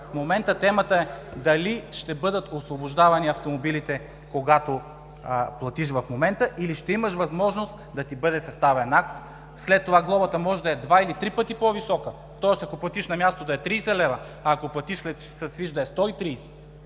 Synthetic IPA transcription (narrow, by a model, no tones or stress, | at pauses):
fmomɛnt̪ət̪ɛmət̪əɛd̪ɐliʃt̪ɛbɤd̪ət̪osvoboʒd̪avɐniɐft̪omobilit̪ɛ | koɡat̪o | plˠɐt̪iʃ̬vɐfmomɛnt̪əʔiliʃt̪ɛimɐʃvɐzmɔʒnost̪d̪ɐt̪ibɤd̪ɛsɐst̪avɛnakt̪ | slɛt̪ːovaɡlˠɔbɐt̪ɐmɔʒd̪ɐɛd̪vailit̪ɾipət̪ipovisɔkə | t̪ɔɛsɐkoplˠɐt̪iʃnɐmʲjast̪od̪ɐɛt̪ɾiːsɛlɛvɐ | aːkoplˠɐt̪iʃslɛt̪ | sɐsviʒd̪ɐɛst̪ɔit̪ɾiːsɛ̥